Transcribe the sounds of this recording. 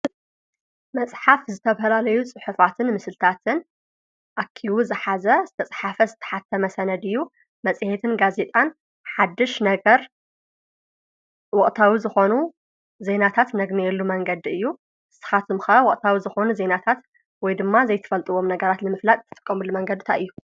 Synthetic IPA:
mɐt͡sʼħafzɨt̪ʰɐfɐlalɐjut͡sʼɨħufat̪ʰɨnmɨslt̪ʰat̪ʰɨn | ʔakʰːiwuzɨħazɐzɨt̪ʰɐt͡sʼħafɐzɨt̪ʰɐ̥ħat̪ʰːɐmɐsɐnɐd̪ɨjːu | mɐt͡sʼɨhet̪ʰɨnɡaze̞t̪ʼan | ħad̪ːɨʃnɐɡɐɾ | wɔχʼt̪ʰawizɨxo̞nu | ze̞nat̪ʰat̪nɐɡnijɛlːumɐŋɡɐd̪iɨjːu | ʔɨsɨ̥xat̪ʰɨmxɐwɔχʼt̪ʰawizɨxo̞nuze̞nat̪ʰat̪ | wɔjd̪ɨmːazɐjt̪ʰɨ̥fɐlt̪ʼɨwo̞mnɐɡɐɾat̪nɨmɨflat̪ʼt̪ʰɨt̪ʼɨ̥kʼːɐmulːumɐŋɡɐd̪ɨt̪ʰa̰ɨjːu

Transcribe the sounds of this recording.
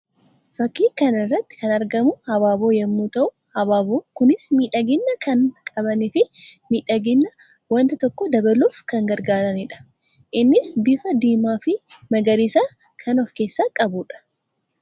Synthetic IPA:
fɐkːiːkɐnɪrːɐt̪ːɪ̥kɐnɐɾɡɐmʊhɐbaːbo̞ːjɛmːuːt̪ɐʔʊ | hɐbaːboːkʊnɪsmiːᶑɐɡɪnːɐkʰɐnkʼɐbɐniːfɪmiːᶑɐɡɪnːɐ | wɐnt̪ɐt̪ɔkːɔd̪ɐbɐluːfkɐŋɡɐɾɡaːɾɐnɪᶑɐ̥ | ʔɪnːɪsbɪfɐd̪iːmaːfɪmɐɡɐɾisaː | kʰɐnɔfkeːsːaːkʼɐbuᶑɐ̥

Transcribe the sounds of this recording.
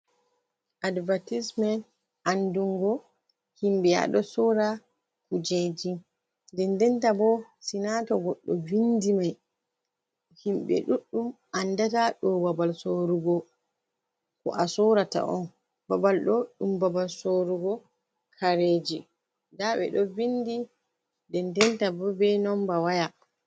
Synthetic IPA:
ʔadvatismɛn | ʔanduŋɡɔ | himbia̰ɗɔsɔɾa | kud͡ʒed͡ʒi | ndɛndɛntabɔsinatɔɡɔɗːɔvindimaj | himɓɛ̰ɗuɗːumʔandataɗɔwabalsoɾuɡɔ | kɔ̰ʔasɔɾata̰ʔɔ̰n | babalɗɔɗumbabalsoɾuɡɔ | kʰaɾed͡ʒi | daɓɛ̰ɗɔvindi | dɛndɛntabɔbɛnɔmbawaja

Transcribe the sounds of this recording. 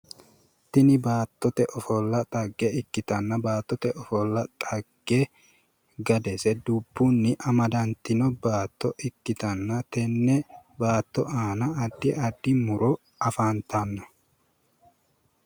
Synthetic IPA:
t̪ɪnɪbaːt̪ːɔt̪ɛʔɔfɔlːɐt̪ʼɐɡːɛɪkːɪt̪ɐnːɐbaːt̪ːɔt̪ɛʔɔfɔlːɐt̪ʼɐɡ̥ːe | ɡɐd̪ɛsɛd̪ʊbːʊnːɪʔɐmɐd̪ɐnt̪ɪnɔbaːt̪ːɔʔɪkːɪt̪ɐnːɐt̪ɛnːɛbaːt̪ːɔʔaːnɐːd̪ːɪɐd̪ːɪmʊɾɔ | ɐfaːnt̪ɐnːɐ

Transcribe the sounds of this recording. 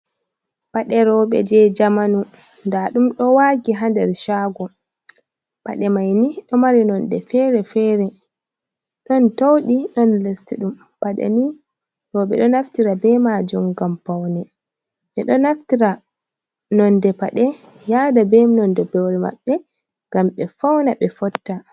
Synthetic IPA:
paɗɛɾɔɓɛ̰d͡ʒɛd͡ʒamanu | ndaɗumɗɔwaɡiɦandɛɾʃaːɡɔ | pa̰ɗɛmajniɗɔmaɾinɔndɛ̰fɛɾɛfɛɾɛ | ɗɔntowɗiɗɔnlestiɗum | paɗɛ̰ni | ɗɔɓɛ̰ɗɔnaftiɾabɛmaːd͡ʒumɡampawnɛ | ɓɛɗɔnaftiɾa | nɔndɛpaɗɛ | jaːdabɛmnɔndɛbɛwɾɛma̰ɓːɛ | ŋɡamɓɛfawnaɓɛfɔtːa

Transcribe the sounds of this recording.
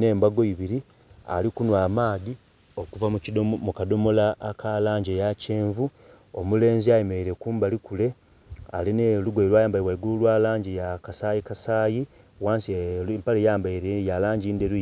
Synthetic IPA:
ne̞ːmbaɡo̞iβiɾi | a̰likunwaːmaːdi | o̞kuvamucidmukado̞mo̞laːkʰalaːɲɟejace̞ːɱvu | omule̞ːnziajemeiɾe̞kuːmbalikule̞ | a̰lineluɡojeɾwaːjaːmbaiwaiɡuulwaːlaːɲɟijakasaːjikasaːji | waːnsimpalejaːmbaiɾejalaːɲɟiːndeɾuje

